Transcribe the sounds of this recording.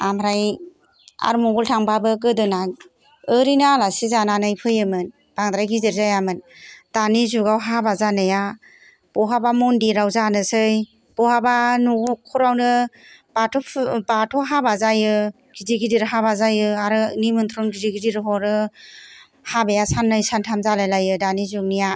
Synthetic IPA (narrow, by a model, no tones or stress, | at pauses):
amɾaj | a̰ɾmɔɡɔltʰaŋbabɯkɯdɯna | ɯɾinalasizananajpʰɯjɯmɯn | b̥aŋd̪ɾajɡiziɾzajamɯnd̥anizuɡawɦabazanɯja | b̥ɔɦabamɔndiɾawzanɯsɯj | b̥ɔɦabanukʰɔɾawnɯbatʰɔbatʰɔɦabazajɯ | ɡiziɡidiɾɯɦabazajɯaɾɯnimɯnt̪ʰɾɔnɡiziɡidiɾɯɦɔɾɯ | habejasanːɯjsantʰamzalajlajɯdanizuŋnija